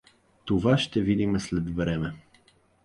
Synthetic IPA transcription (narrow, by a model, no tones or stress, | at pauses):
t̪ovaʃt̪ɛvid̪imɛslɛd̪vɾɛmɛ